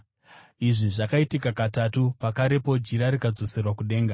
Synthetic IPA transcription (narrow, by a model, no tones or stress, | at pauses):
iʐiʐakaitikakatatupakaɾe̞po̞d͡ʒiɾaɾikad͡zo̞se̞rwakuɗe̞ːŋɡa